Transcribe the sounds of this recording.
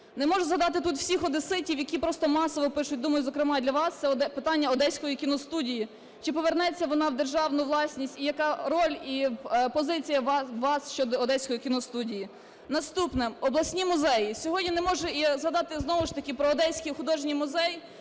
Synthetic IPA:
nɛmɔʒʊzɦɐd̪ɑt̪ɪt̪ut̪w̥sʲixɔd̪ɪsɪtʲiwjɐkʲipɾɔst̪ɔmɑsɔʋɔpɪʃʊt̚ʲd̪umɐjʊzɔkɾɪmɑd̪lʲɐʋɑst̪sɛɔd̪ɛpɪt̪ɑnʲːɐɔd̪ɛsʲkɔjikʲinɔst̪udʲiji | t͡ʃɪpɔʋernɛt͡sʲːɐʋɔnɑwd̪erʒɑwnʊʋlˠɑsʲnʲisʲtʲijɐkɑɾɔlʲipɔzɪt͡sʲijɐːɑsʃt͡ʃɔd̪ɔːd̪ɛsʲkɔjikʲinɔst̪udʲiji | nɐst̪upnɪmɔblˠɐsʲnʲimʊzɛjisʲɔɦɔdʲnʲinemɔʒɛizɦɐd̪ɑt̪ɪznɔʋʊʃt̪ɐkʲɪpɾɔːd̪ɛsʲkixʊd̪ɔʒnʲijmʊzɛj

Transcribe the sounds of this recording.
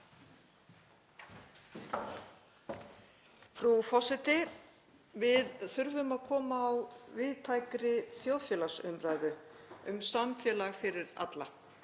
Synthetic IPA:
fɾufɔsɪt̪ɪ | vɪðθʏɾvʏmaðkʰɔːmaːwvɪðt̪ʰaːjkɾɪθjowðfjɛːlasʏmɾaːjðʏʏmsamfjɛːlaɣfɪɾɪɾa̰t̪la

